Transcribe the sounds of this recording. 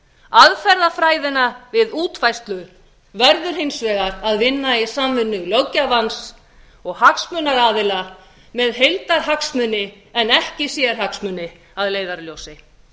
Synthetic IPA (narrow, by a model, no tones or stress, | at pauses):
aðfɛɾðafɾaːjðɪnavɪðuːt̪fajst̪lʏ | vɛɾðʏɾ̥ɦejnsvɛːɣaɾaðvɪnːaisaːmvʏnːʏɣljowcavans | ɔɣhaksmʏnaɾaːðɪla | mɛðɦejlt̪aɾ̥ɦaksmʏnːɪ | ɛnɛhcɪsjɛɾ̥haksmʏnːɪ | aðleːjðaɾljowsɪ